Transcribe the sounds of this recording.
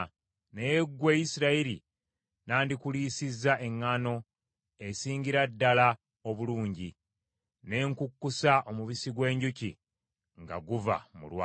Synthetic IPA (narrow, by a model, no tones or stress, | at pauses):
nejeɡweːjisiɾaiɾḭ | naːndikuliːsizːaʔe̞ŋːano̞ | e̞siːɲɟiɾadːala | oβuluːɲɟi | ne̞ːŋkukːusaʔo̞muβisiɡwe̞ːɲɟuci | ŋɡa̰ɡuva̰mṵlwa